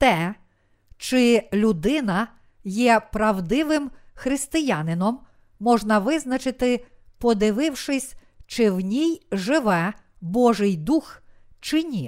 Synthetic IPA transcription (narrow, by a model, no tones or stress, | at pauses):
t̪ɛ | t͡ʃɪlʲʊd̪ɪnɐ | jɛpɾɐwd̪ɪʋɪmxɾɪst̪ɪjanɪnɔmː | ɔʒnɐʋɪznɐt͡ʃɪt̪ɪpɔd̪ɪʋɪwʃɪsʲ | t͡ʃɪwnʲijʒɪʋɛ | bɔʒɪjd̪ux | t͡ʃɪnʲi